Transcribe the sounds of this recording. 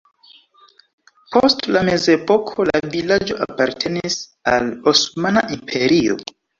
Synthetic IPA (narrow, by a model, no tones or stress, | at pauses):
postlame̞ze̞po̞kʰo̞la̰vilad͡ʒo̞ʔapaɾtʰe̞nisalosmanaʔimpʰe̞ɾio̞̰